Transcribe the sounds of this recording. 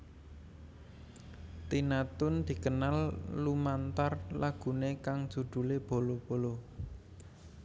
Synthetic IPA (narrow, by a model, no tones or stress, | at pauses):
t̪inat̪ʊnd̪̥i̤kənalːumant̪arlaɡ̥ṳnekaŋd̥ʒ̥ṳd̪̥ṳleb̥o̤lob̥o̤lo